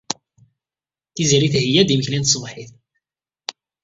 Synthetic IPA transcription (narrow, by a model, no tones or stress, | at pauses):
θizɾiθhəjːæd̪iməçlint̪sˤvħiθ